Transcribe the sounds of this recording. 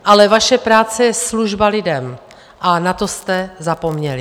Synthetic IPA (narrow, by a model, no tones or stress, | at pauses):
ʔalɛvaʃɛpɾaːt͡sɛjɛsluʒbalɪdɛm | ʔanat̪o̞st̪ɛzapo̞mɲɛlɪ